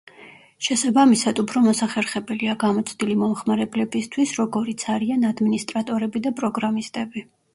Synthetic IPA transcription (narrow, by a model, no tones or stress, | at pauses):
ʃɛsabamisad̪upʰɾɔmɔsaχɛɾχɛbɛliaɡamɔt̪sʰd̪ilimɔmχmaɾɛblɛbist̪ʰwisɾɔɡɔɾit̪sʰaɾianad̪minist̪ʼɾat̪ʼɔɾɛbid̪apʼɾɔɡɾamist̪ʼɛbi